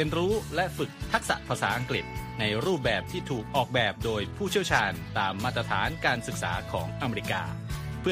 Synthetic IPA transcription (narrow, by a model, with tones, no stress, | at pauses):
i˧ənɾuː˦˥lɛ˦˥fɯ˨˩k̚t̪ʰa˦˥k̚sa̰˨˩ʔpʰaː˧saː˩˦ʔa˧ŋkɾi˨˩t̪̚na˧jɾuː˥˩p̚bɛː˨˩p̚t̪ʰiː˥˩t̪ʰuː˨˩k̚ʔɔː˨˩k̚bɛː˨˩p̚doː˧jpʰuː˥˩t͡ɕʰi˥˩wt͡ɕʰaː˧nt̪aː˧mːaː˥˩t̪ɾa˧t̪ʰaː˩˦nkaː˧nsɯ˨˩k̚sa̰ː˩˦kʰɔ̰ː˩˦ŋʔa˧me˧ɾi˧˥ka̰ː˧pʰɯ˥˩